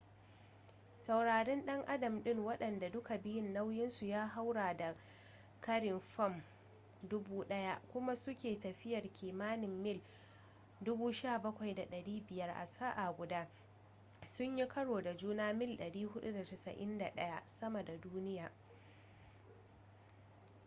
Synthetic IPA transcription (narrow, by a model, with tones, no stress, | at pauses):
tɐ˨wɽaː˨ɽɛ˦nɗɐ˦ŋʔa˦dɐ˨mɗɪ˦˨ŋwɐ˦ɗɐ˨nda˨dʊ˦ka˨bɪ˦jɪ˦nːa˦wjɪ˦nsu˨jaː˦ɦa˦wɽaː˨da˨ | kɐ˦ɽɪ˨mɸɐ˦˨m | dʊ˦buː˦ɗɐ˦ja˦kʷʊ˦ma˦sʊ˦kʲeː˨tɐ˨ɸɪ˦jɐ˨rkʲiː˨maː˦nɪ˨mːɪ˦˨l | dʊ˦buː˦ʃaː˦˨bɐ˦kʷa˨jda˨ɗɐ˨ɽiː˦bɪ˨jɐ˦rʔa̰˨sa˦ʔa˨ɡʷʊ˨daː˦ | sʊ˦ɲji˦kʰɐ˦ɽoː˨da˨d͡ʒuː˦naː˦mɪ˦lɗɐ˨ɽiː˦ɦʊ˦ɗu˦da˨tɐ˨sɐ̰˨ʔɪ̰˦nda˨ɗɐ˦ja˦sɐ˦mɐ˨da˨duː˦nɪ˦jaː˨